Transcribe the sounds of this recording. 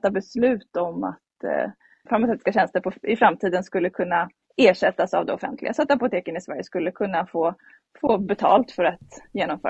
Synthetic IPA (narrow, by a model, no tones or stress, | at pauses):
t̪ːabɛslʉ̟ːt̪ɔma̰t̪ | faɾmasɛːt̪ɪ̥skaɕɛnst̪əɾpʰɔɪfɾamt̪ʰiːd̪ənskɵlːəkʰɵnːa | eːʂɛt̪ːasa̰vd̪ɛɔfɛ̰nt̪ʰlɪ̰ɡasɔat̪apʊt̪ʰeːkənɪsvæɾjəskɵlːəkʰɵnːafoː | foːbɛt̪ʰɑ̰ːlt̪fœɾat̪jeːnɔmfœ̰ːɾ